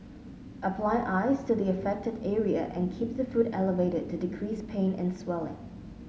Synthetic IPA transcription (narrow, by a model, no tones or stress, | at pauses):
ʔəpʰl̥aɪʔaɪz̥tʰɨðiəfɛk̚tɨdɛɹiɨ̰ʔɨ̰̃nkʰip̚ðəfuɾɛlˠəveɪɾɨd̚tʰɨdɨkʰɹ̥ispʰẽɪ̃nɨ̰̃nswɛlˠɪ̰̃ŋ